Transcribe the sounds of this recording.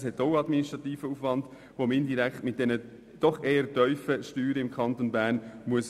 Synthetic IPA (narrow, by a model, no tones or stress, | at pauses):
shɛtoʊɑdminiʃtʁɑtiːfəuːfvɑnd | vomɪndiɾɛkχtmɪt̚d̥ɛnə | d̥ɔχeːətœʏfəʃtyːɾəɪmkʰχɑntonbæːɾnmuəs